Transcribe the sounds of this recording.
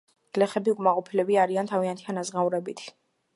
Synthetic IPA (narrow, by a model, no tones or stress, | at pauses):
ɡ̥lɛχɛbiukʼmaqʼɔpʰilɛbiaɾiant̪ʰaviant̪ʰianazʁauɾɛbit̪ʰ